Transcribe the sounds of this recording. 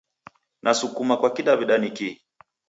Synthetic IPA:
nʔasukumakwakiɗaviɗaniki

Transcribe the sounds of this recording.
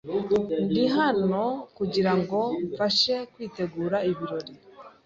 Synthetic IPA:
ndiɦano̞kuɟiɾaŋɡo̞ɱfaʃe̞kwiːte̞ɡuːɾaiβiɾo̞ɾi

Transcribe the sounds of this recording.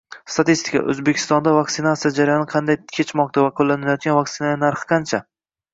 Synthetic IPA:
st̪ʰat̪ist̪ɪkʰa̰ʔɵ̰zbekʲʰɪ̥st̪ɒnd̪avak̚ʲt̪ɪnat̪sijad͡ʒaɾajɒnɪqʰɑnd̪ajkʲʰet͡ʃmɒq̚t̪ʰavaqʰolːanɪlajɒt̪̚ɡʲanvak̚t̪ɪnaanaɾχɨ̥qʰɑnt͡ʃʰa

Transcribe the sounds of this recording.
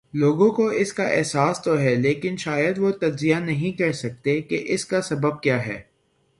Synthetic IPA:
loːɡõkoɪskaʔɛːsaːst̪oɦɛleːkɪnʃaːjəd̪ʋot̪ɐd͡ʒzijanɐɦĩkɐɾsɐk̚t̪ekeʔɪskasɐbəb̚kjaːɦɛ̰ː

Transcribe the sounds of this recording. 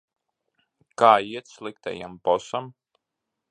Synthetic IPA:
kaːiɛt̪slˠikt̪a̰ja̰mpɔsam

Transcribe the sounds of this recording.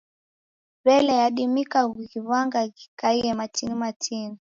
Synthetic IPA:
βɛlɛjaɗimikaɡɣiβaŋɡaɣikaiɛmatinimatini

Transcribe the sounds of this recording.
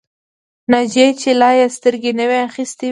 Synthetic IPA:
nad͡ʒet͡ʃelɑjast̪əɾɡenəweaxist̪i

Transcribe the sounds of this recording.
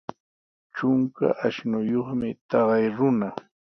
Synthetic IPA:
t͡ʃʊŋka̰ʔaʃnʊjoχmɪt̪ɑɢɑjɾʊna

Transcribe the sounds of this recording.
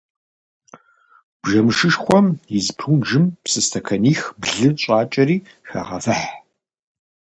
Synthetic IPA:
b̥ʒɐmɨʃɨʂxʷɔmjɪzpʰuʒɨmpsɨstʰɐkʰɐniːxbɮɨt͡ɕʼaːt͡ʃʼɐriː | xɐ̰ʁɐ̰fɐħ

